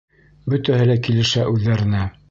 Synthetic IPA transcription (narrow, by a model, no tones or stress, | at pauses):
bɵ̆t̪æhɘlækilɘ̆ʃæʔʉðːæɾɘ̆næ